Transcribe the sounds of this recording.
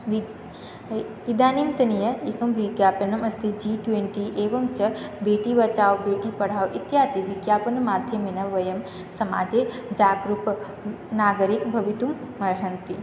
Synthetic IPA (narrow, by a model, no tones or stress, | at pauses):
ʋ | id̪aːnimt̪ɐnijɐikɐmʋiɡjaːpɐnɐmɐst̪ʰid͡ʒiʈweɳʈiʔeːʋɐmt͡ʃɐbeːʈiʋɐt͡ʃaːwbeːʈipɐɽ̤aːwʔit̪jaːt̪iʋiɡjaːpɐnmaːd̪ʱjɐmenɐʋɐjɐm | sɐma̰ːd͡ʒeːd͡ʒaːɡɾup | naːɡəɾikbʱɐʋit̪umːɐɾɦɐnt̪i